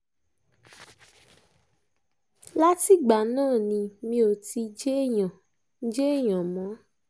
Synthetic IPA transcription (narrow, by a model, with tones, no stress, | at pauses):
la˦ti˦˨ɡ͡ba˨nãː˦˨nĩ˧mĩ˧˦o˨ti˧d͡ʒe˦jɔ̃˨˦ | d͡ʒe˦˨jɔ̃˨mɔ̃˨˦